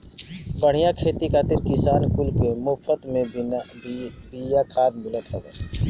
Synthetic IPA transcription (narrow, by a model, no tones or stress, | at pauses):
pəɽ̤ijakʰeːt̪ikʰaːt̪ɪɾkɪsaːnkʊlkemopʰət̪mẽ | bijakʰaːd̪mɪlət̪ɦɛbɛː